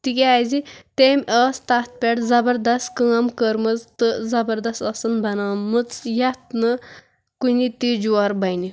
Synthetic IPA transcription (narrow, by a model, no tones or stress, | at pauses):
t̪ikeajzit̪emʲəst̪ast̪̚pʲeʈzɐbəɾd̪ɐst̪kəŋɐmkəɾmɐt͡st̪ɨzɐbəɾd̪ɐst̪ɐsənbʱɐnamət͡sjat̪nə | kunit̪id͡ʑuaɾbɐjni